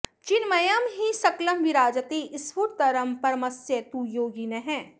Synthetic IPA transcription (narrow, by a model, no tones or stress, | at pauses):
t͡ʃɪnmɐjɐmɦisɐklɐmʋiɾaːd͡ʒət̪eʔɪsʋuɾt̪ɐɾɐmpɐɾmɐsjet̪ujoːɡinɐɦɛ̃ː